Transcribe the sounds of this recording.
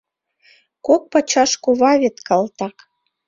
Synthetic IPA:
kok̚pɑt͡ɕɑʃkoβɑβet̪kɑlt̪ɑk

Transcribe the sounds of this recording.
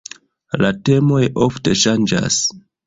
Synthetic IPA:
late̞mo̞jofte̞ʃand͡ʒa̰s

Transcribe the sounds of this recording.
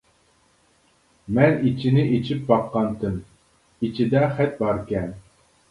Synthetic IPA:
mɛnit͡ʃʰinɪʔet͡ʃʰip̚bɑqːɑnt̪ʰɨm | it͡ʃʰid̪ɛχɛt̪̚bɑɾkʲɛn

